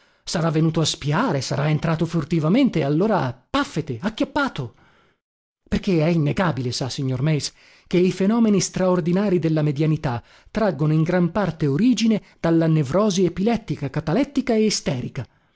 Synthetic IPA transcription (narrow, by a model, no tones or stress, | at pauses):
saɾavːenuːt̪oaspiaːɾesaɾaent̪ɾaːt̪ofurt̪ivament̪ealːoːɾapafːet̪eakːjapːaːt̪o | perk̟eɛinːeɡaːbilesasiɲːormɛjs | k̟eifenɔːmenist̪ɾaord̪inaːɾid̪elːamed̪janit̪a | t̪ːɾaɡːonoiŋɡɾampart̪eoɾiːd͡ʒined̪̥alːanevɾɔːziepilɛt̪ːikakat̪alɛt̪ːikaeːst̪ɛːɾika